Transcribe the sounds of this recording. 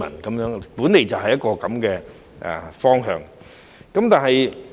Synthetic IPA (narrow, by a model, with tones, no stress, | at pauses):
ɐ̰˨˩nkɐ˨˦mjœː˨˥ŋpuː˨˥nːe˨jt͡sɐ˨wɦɐ˨jːɐ˥t̚kɔː˧kɐ˨˧˥mkɛː˧ | ʔɛ̰˨˩fɔː˥ŋɦœː˨˧ŋ | kɐ˨˦mt̪aː˨nhɐ˨j